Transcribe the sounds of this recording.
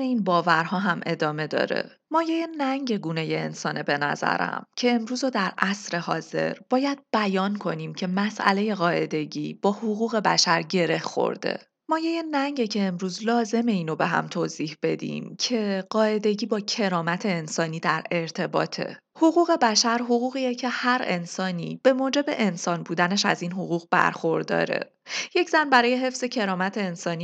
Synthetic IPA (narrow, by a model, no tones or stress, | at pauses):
eiːnbɒːvæɾɦɒːɦæmʔe̞d̪ɒːme̞d̪ɒ̰ːɾḛ | mɒːjejenæŋɟe̞ɡuːne̞jeːnsɒːnebe̞næ̰zæ̰ɾæ̰mcʰe̞ːmɾuːzod̪æɾʔæsɾe̞hɒ̰ːz̥e̞̰ɾb̥ɒːjæd̪̥̚b̥æjɒːnkʰo̞niːmcʰe̞mæsʔæ̰le̞je̞ɣɒːʔe̞d̪e̞ɟiːb̥ɒːhoɣuːɣe̞bæ̰ʃæɾɟe̞ɾe̞hxo̰ɾd̪e̞̰ | mɒːjejenæɲɟecʰe̞ːmɾuːzlɒːze̞me̞iːno̞be̞ɦæ̰mt̪ʰoːziːhb̥e̞d̪ḭmcʰe̞ɢɒːe̞d̪e̞ɟiːbɒːcʰe̞ɾɒːmæt̪ʰe̞ːnsɒːniːd̪æɾe̞ɾt̪ʰe̞bɒ̰ːt̪ʰe̞̰ | hoɣuːɣe̞bæʃæɾɦoɣuːɣiːjecʰe̞hæɾe̞̰nsɒːnḭːb̥e̞moːd͡ʒe̞be̞ʔensɒːnbuːd̪æneʃæ̰ziːnɦoɣuːɣbæ̰ɾxo̞ɾd̪ɒ̰ːɾe̞̰ | je̞cz̥ænbæɾɒːje̞ɦe̞fz̥e̞cʰe̞ɾɒːmæt̪ʰe̞ːnsɒːniː